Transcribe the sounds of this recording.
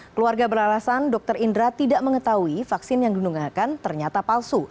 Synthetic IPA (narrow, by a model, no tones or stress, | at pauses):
kəluarɡabəɾalasandɔk̚t̪ərindɾat̪idaʔməŋət̪aɦuifaksɪnjaŋdunuŋakant̪ərɲat̪apalsu